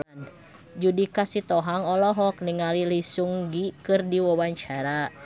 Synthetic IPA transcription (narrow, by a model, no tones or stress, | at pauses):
n | d͡ʒudikasit̪ɔɦaŋɔlɔɦɔk̚niŋalilisuŋɡikɨrdiwawaɲt͡ʃaɾa